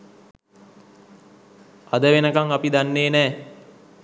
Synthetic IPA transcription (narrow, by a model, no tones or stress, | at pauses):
ad̪əʋenəkaŋapid̪anːeːnɛː